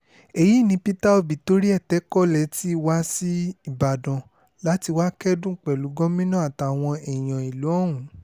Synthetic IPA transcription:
e˨ji˨˦˨nĩ˧pi˦ta˦o˧bi˨to˦ɾi˦ɛ˦˨tɛ˨˦kɔ˦lɛ˨˧˦ti˦˧wa˦si˦i˦˨ba˨dɔ̃˨ | la˨˦ti˧wa˦kɛ˦dũ˦˨k͡pɛ˨lu˨˦ɡɔ̃˦mĩ˦nã˦a˦˨ta˧˨w̃ɔ̃˧ɛ˨j̃ɔ̃˨i˨lu˨˦ɔ̃˦˨w̃ũ˨˦

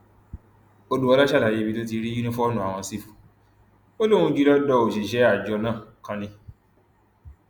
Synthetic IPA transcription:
o˧du˨˧wɔ˧la˦ʃa˦la˨je˨˧˦bĩ˧to˦t̬i˧ɾi˦i˦nũ˦fɔ˦ɔ˦nũ˦˨a˨w̃ɔ̃˧si˦˨fu˨ | o˦lõ˦ũ˧d͡ʒu˦˧˦lɔ˦dɔ˧˦o˨ʃe˨ʃɛ˨˦a˦˨d͡ʒɔ˧nãː˦˨kã˧nĩ˧

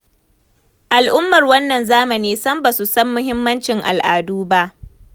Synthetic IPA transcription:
ʔa˨lʔʊ˦mːɐ˨rwɐ˦nːɐ˨nzaː˦mɐ˨niː˦sɐ˦mba˨su˨sɐ˦mːʊ˦ɦɪ˦mːɐ˦nt͡ʃɪ˨ŋʔa̰˨lʔaː˨duː˦ba˦ʔ

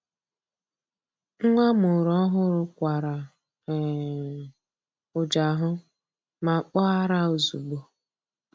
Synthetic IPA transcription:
ŋ˦ŋʷa˦mʊ˨ɾɔ˦ɦʊ˦ɾʊ˦kʷa˨ɾa˨ | ʊ˨d͡ʒa˨ɦʊ˦ | ma˨k͡pɔ˦a˦ɾa˦o˨zu˨ɡ͡bo˨

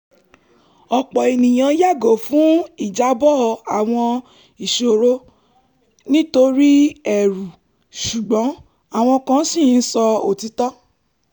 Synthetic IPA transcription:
ɔ˨k͡pɔ˨e˨nĩ˨j̃ã˨˧˦ja˦˨ɡo˨fũ˨˦i˦˨d͡ʒa˨˦bɔ˦˧˨a˨w̃ɔ̃˧ | i˨ʃo˨ɾo˧ | nĩ˦to˧ɾi˦ɛ˨ɾu˨ | ʃu˨ɡ͡bɔ̃˨˦ | a˦˨w̃ɔ̃˧kã˧˦sĩ˦˨˦n̩˦sɔ˧o˨ti˧tɔ˦

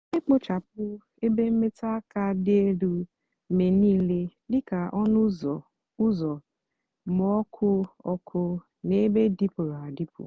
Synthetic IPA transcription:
ɪ˦k͡pʊ˦t͡ʃa˨p̚ʊ˦ | e˦be˦m̩˦me˦ta˦ka˦de˦du˦˨ | me˨niː˦le˦lɪ˦ka˨ʔɔ˦nʊ˦zɔ˨ | ʊ˦zɔ˨ | mɔ˨˦ɔ˦kʰʊ˦ɔ˦kʰʊ˦ | ne˦be˦di˦pʊ˨ɾa˨a˨di˦pʊ̰˨

